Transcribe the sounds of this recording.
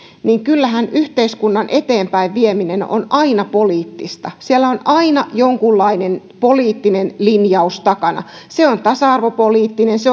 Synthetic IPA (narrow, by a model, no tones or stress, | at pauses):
niːŋkylːæhænyht̪eiskunːɑnʔet̪eːmpæiʋʋiemineno̰nʔɑinɑpoliːt̪ːist̪ɑsielːæonʔɑinɑjoŋkulːɑinen | poliːt̪ːinenlinjɑust̪ɑkɑnɑ̰ | seont̪ɑsɑɑrʋopoliːt̪ːinense